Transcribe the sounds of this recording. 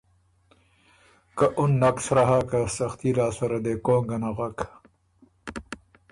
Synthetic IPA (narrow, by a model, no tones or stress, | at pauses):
kɐʔunːɐksɾaɦaːkasɐxt̪iɾaːsɐɾɐd̪ekoːŋɡɐnaɣɐk